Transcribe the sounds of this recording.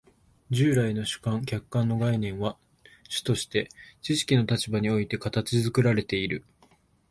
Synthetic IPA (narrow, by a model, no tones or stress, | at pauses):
d͡ʑɨːɾaino̞ɕɨ̥kãŋkʲakːãnːo̞ɡainẽ̞ɰ̃βa | ɕɨ̥t̪o̞ɕi̥t̪e̞t͡ɕiɕi̥kʲino̞t̪at͡ɕibaɲ̟io̞it̪e̞kat̪at͡ɕizɨkɯ̟ɾaɾe̞t̪e̞iɾɯ̟